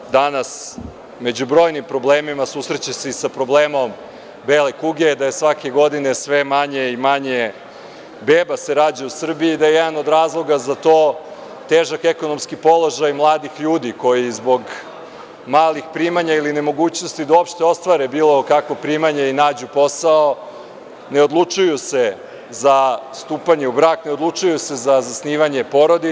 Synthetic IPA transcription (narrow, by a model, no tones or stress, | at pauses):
d̪anas | me̞d͡ʑubɾo̞ːjnimpɾo̞bleːmimasuːsɾet͡ɕeseisapɾo̞ble̞ːmo̞m | beːle̞kuɡed̪ajesʋake̞ɡo̞d̪ine̞sʋe̞maɲe̞imaɲe̞ | beːbase̞ɾaːd͡ʑausr̩biiːd̪ajejed̪ano̞d̪ɾaːzlˠo̞ɡazat̪o̞ː | t̪eːʒakeko̞no̞mskipo̞lˠo̞ʒajmlˠaːd̪ixʎuːd̪iko̞jizbo̞ɡ | maːlixpɾiːmaɲailine̞mo̞ɡuːt͡ɕno̞st̪id̪auopʃt̪eo̞st̪ʋaɾebiːlˠo̞kakʋo̞pɾiːmaɲeinaːd͡ʑupo̞sao | ne̞od̪lˠut͡ʃujuse̞ | zast̪uːpaɲe̞ubɾaːkne̞od̪lˠut͡ʃujuse̞zazasniːʋaɲe̞po̞ɾod̪i